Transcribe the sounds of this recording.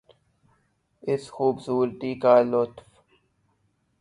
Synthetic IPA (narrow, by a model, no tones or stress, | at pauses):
ɪsxuːbsuːɾt̪iːkaːlʊt̪f